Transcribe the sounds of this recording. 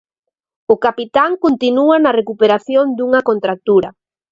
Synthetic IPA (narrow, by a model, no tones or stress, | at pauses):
ʊkapit̪aŋkont̪inuanɐrekupeɾaθjond̪uŋɐkont̪ɾak̚t̪uɾɐ